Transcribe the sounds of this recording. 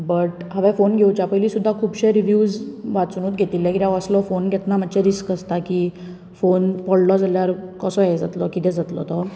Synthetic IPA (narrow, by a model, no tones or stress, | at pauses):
bəʈɦəʋɛ̃fonɡʱewt͡ɕapəjliːsud̪ʱːakʰuːbɕeɾiʋjuːd͡zʋat͡snuːt̪ɡʱet̪iːlːjãkit̪aʋəslɔfonɡʱet̪nam̤ət͡ɕɛ̃ɾiskəst̪akiː | fonpɔɭɖɔd͡zaljaɾkəsɔjɛd͡zat̪lɔkit̪ɛ̃d͡zat̪lɔ̰t̪ɔ